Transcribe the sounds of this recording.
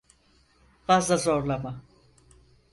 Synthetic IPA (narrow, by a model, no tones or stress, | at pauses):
fazlˠazo̞ɾlˠama